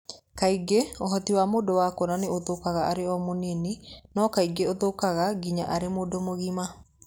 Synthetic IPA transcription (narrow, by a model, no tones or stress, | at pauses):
kaiɡeoɦɔtiwamoːdowaːkonaneoðokaɣaʔaɾeɔmoneninɔːkaiɡeoðokaɣaɡiɲaʔaɾemoːdomoɣima